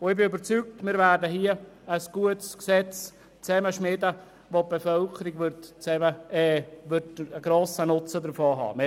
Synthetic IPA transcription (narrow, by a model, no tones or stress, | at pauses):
ʊɪbɪybəɾt͡syk̚tmɪːɾvæːrdəɦiəəsɡ̥uətsksɛt͡s | t͡sɛməʃmɪdə | ʋop̚b̥efœlkʰəɾiɡvʏɾtt͡sɛməɛʋʏdəɡɾoːsənʊt͡sədəɾfoːɦɑ̰ːme